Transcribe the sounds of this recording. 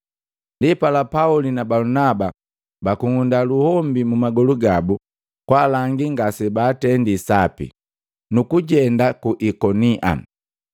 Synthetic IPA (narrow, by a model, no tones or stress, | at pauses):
ndipalapaulinabalunaba | bakuŋundaluhɔmbimumaɡɔluɡabu | kwalaŋɡiŋɡasɛbaːtɛndisapḭ | nukuɟɛndakuʔikɔniʔa̰